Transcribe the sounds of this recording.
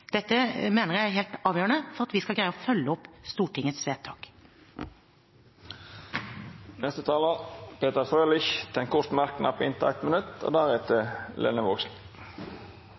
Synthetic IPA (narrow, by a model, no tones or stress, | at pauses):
d̪̥ɛt̪ːəmeːnəʁjææɦeːlt̪ɑːʋjøːɾəɳnəfɔʁɑt̪ʋɪskɑlɡɾæɪəɔfœlːəɔpːst̪uːʈʰɪŋːət̪sʋeːt̪ʰːɑːk | nɛst̪ət̪ʰɑːləpʰeːt̪əʁfʁøːlɪçt̪ʰɛŋkʰʊst̪mæʁknʔɑpːɪnt̪æ̰ɪt̪mənʉt̪o̰ːd̪æʁeːt̪ʰəlʔɛ̰nəʋoːksn̩